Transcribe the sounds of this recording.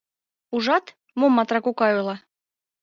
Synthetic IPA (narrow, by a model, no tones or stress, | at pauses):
uʒɑt̪ | momːɑt̪rɑkukɑulˠɑ